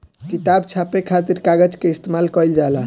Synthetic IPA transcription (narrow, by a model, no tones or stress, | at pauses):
kit̪abt͡ʃʰapekʰat̪̬iɾkaɡəd͡ʒkeist̪emalkəjld͡ʒala